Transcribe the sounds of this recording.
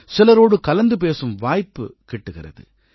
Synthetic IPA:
sɪlɐɾoːɽɯkɐlɐnd̪ɯp̬eːsɯmʋaːjpːɯ̰kɪʈːɯɣɪrɐ̰ðɯ̰

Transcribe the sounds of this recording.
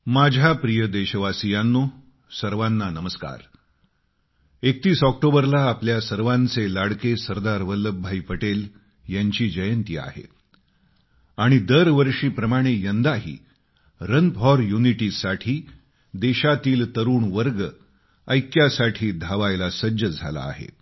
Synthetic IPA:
mad͡ʑʱapɾijəd̪eɕəʋasijanːo | səɾʋanːanəməska̰ɾ | ek̚t̪iːsɔk̚ʈobəɾlaːpljasəɾʋãnt͡selaɽkesəɾd̪aɾʋəlːəbʱːaipəʈel | jaɲt͡ɕiːd͡ʑəjənt̪ia̰ɦḛ | aɽ̃id̪əɾʋəɾʂiːpɾəmaɽ̃ejənd̪aɦḭː | ɾənpʰɔɾjuniʈiːsaʈʰiː | d̪eɕat̪iːlt̪əɾuːɳʋəɾɡə | əjkjasaʈʰiːd̪ʱaʋajlasəd͡ʑəd͡zʱa̰la̰ːɦḛ

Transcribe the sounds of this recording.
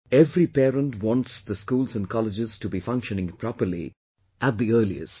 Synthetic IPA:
ɛvɾipɛːɾə̃nʈwɔ̃ntsd̪əskuːlzə̃nkʰɑlɪd͡ʒɪz̥tubifʌ̃ŋkʃə̃nɪ̃ŋpʰɾɔpəlḭ | ʔæt̚d̪iɜːlḭɪ̰s

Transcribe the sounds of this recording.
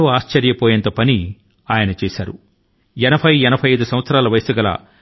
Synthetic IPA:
oaːʃt͡ʃɐɾjɐpɔːjɐnt̪ɐpɐni | aːjɐnɐt͡ʃɛːsa̰ːɾu | ɛnɐbʰʱɐjɛnɐpʰɐjɐjd̪usɐmʋɐt̪sɐɾaːlɐʋɐjsɐɡɐlɐ̰

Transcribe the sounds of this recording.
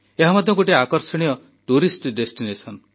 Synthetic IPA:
eɦamɔd̪ʱjɔ̃ŋkoʈiakɔɾsɔɽ̃ijɔ | ʈuɾisʈɖesʈinesɔn

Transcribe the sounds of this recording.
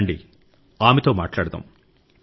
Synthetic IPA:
ɳɖḭ | aːmit̪o̞ːmaːʈlaːɽut̪ɐ̰ːm

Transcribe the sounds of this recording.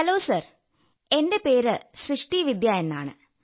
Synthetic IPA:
hɐloːsɐr | e̞nde̞pe̞ːɾɨsrɨʂʈiʋid̪ʱjaje̞nːa̰ːɳɨ̰

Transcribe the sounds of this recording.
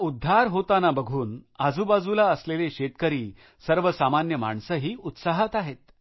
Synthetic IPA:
ud̪ʱːaɾɦot̪anabəɡʱuːnad͡zʱubad͡zulaəsleleɕet̪kəɾiː | səɾʋəsamanjəma̰ɳsəɦiːut̪saɦət̪aɦet̪

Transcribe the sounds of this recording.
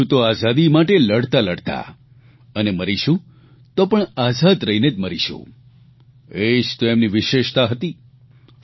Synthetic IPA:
ũt̪oazad̪imaʈeləɽt̪aləɽt̪a̰ | əneməɾiʃũ | t̪opəɳazad̪ɾəɦined͡ʒməɾiʃṵ̃ | ed͡ʒt̪oemniʋɪʃeʃt̪aɦət̪i

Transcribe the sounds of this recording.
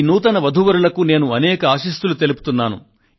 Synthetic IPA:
nuːt̪ɐnɐʋɐd̪ʱuʋɐɾulɐkune̞ːnuɐnɛːkɐaːʃist̪ulut̪elupu̥t̪unːaːnṵ

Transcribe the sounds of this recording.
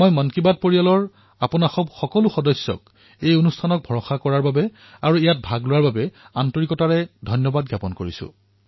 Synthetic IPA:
mɔjmɔnkibad̚poɹijalɔɹ | apʊnaxɔbxɔkɔlʊxɔdɔsːjɔ̰k | ejonustʰanɔk̚bʱɔɹɔxakɔɹaɹbabɛ | aɹuijat̚bʱaɡlʊwaɹbabɛantɔɹikɔtaɹɛdʱɔjnjɔbad̚ɡjapɔnkoɹisʊ̰̃

